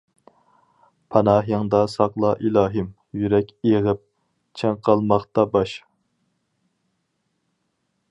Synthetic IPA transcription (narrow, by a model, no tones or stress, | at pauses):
pʰɑnɑːɦjɑŋd̪ɑsɑqlˠɑʔilɑːɦɪm | jyɾɛkʲeʁɪp̚ | t͡ʃʰɛŋqʰɑlˠmɑχt̪ɑbɑʃ